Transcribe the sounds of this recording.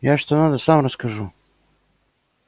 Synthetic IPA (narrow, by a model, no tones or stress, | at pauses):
jaːʃt̪onad̪asaːmɾaskaʒu